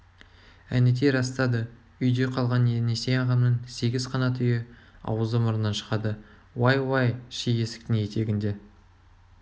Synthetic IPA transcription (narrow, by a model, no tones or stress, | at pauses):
ænɪt̪̬e̞ɾɑst̪ɑd̪ə | ʏjd̪e̞qʰɑlˠʁɑnenese̞ɑʁɑmnəŋse̞ɡʲɪz̥qʰɑnɑt̪ʰʏjɪ | ɑ̰wəzəmʊɾənːɑnʃə̥ʁɑd̪ə | wajwɑjʃejesɪ̥k̚t̪ɪŋje̞t̪ʰe̞ɡʲɪnd̪e̞